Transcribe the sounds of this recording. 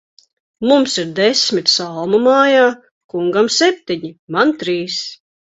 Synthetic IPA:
mumsiɾd̪ɛsʲmʲit̪salˠmumaːjaː | kuŋɡamsɛp̚ʲt̪iɲimant̪ɾiːs

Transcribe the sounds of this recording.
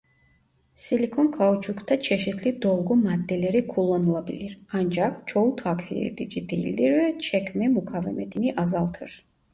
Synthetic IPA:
silikʰɔnkʰaut͡ʃʰukʰt̪ʰat͡ʃʰɛʃɛt̪ʰlid̪ɔlˠɡɔmad̪ːɛlɛɾikʰulˠɔnulˠabiliɾand͡ʒakt͡ʃʰɔut̪ʰakʰfiɛ̰d̪id͡ʒid̪ɛjḭld̪iɾvɛt͡ʃʰɛkʰmɛmukʰavɛmɛt̪ʰiniʔazalˠt̪ʰɨ̰ɾ

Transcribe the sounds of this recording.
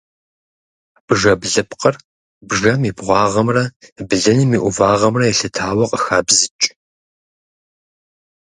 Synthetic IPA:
b̥ʒɐbɮɨpqər | bʐɐmibʁʷɑːʁɐmrɐbɨɮɐnimiːʔʷʊvaːʁɐmrɐjɛɬɨtʰaːwɐqʼəxaːbzɨt͡ʃʼ

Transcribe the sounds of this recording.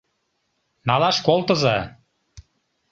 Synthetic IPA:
nɑlɑʃkolˠt̪əzɑ

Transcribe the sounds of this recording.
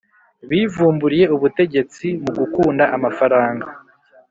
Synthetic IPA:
βiːvuːmbuɾije̞uβute̞ɟe̞t͡simuɡukuːndaʔamafaɾaːŋɡa

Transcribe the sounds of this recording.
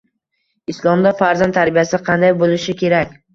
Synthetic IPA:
ɪslˠɒmd̪afaɾzant̪ʰaɾbijasɪqʰɑnd̪ajbolɪʃɪkʲʰe̞ɾakʲ

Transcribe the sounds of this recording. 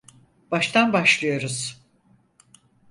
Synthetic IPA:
b̥aʃt̪ʰanbaʃlˠɯjoɾuz̥

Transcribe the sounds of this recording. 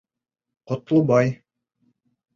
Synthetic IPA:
qŏt̪lˠɤbɑj

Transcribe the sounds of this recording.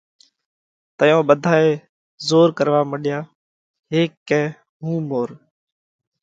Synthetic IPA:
t̪əjõːɓəd̪ʱaːeː | zoːɾkəɾʋaːmɪɗɪjaː | ɦeːkːɛ̃ː | ɦũːmoːɾ

